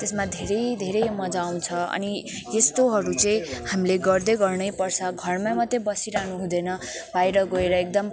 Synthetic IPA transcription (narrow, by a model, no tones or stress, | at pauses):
t̪esmad̪ʱeɾʌjd̪ʱeɾʌjmʌd͡zaw̃t͡sʰʌʌ̰ni | jesʈoɦʌɾut͡sʌĩhamileɡʌrd̪ʌjɡʌrnʌjpʌrt͡sʰʌɡʱʌrmamʌd̪ːebʌsiɾaɦnuɦũd̪ʌnʌ | bajɾʌɡoeɾʌek̚d̪ʌm